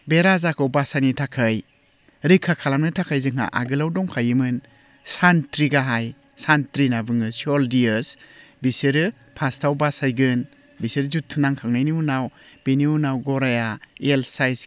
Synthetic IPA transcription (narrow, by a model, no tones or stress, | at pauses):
beɾazakʰɔwbasanitʰakʰaj | ɾikʰːakʰalamnɯtʰakʰajzɯŋɦa̰ʔa̰ɡɯlawdɔŋkʰajɯmɯn | santɾiɡaɦaj | santɾinabɯŋɯsɔldiɯsbisɯɾɯ | pʰastʰawbasajɡɯn | bisɯɾzutʰːunaŋkʰaŋnajniunaw | b̥eniunawɡɔɾajaelsajs